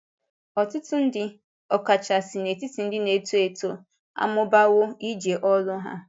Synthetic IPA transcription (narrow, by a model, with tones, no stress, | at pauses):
ɔ˨tʊ˦tʊ˦n̩˦dɪ˦ | ɔ˨ka˨t͡ʃa˨si˨ne˨ti˦ti˨n̩˦dɪ˦ne˨tu˦e˨to˦ | a̰˦mʊ˦ba˦wʊ˦i˦d͡ʒe˨ʔɔ˦lʊ˦ɦa̰˦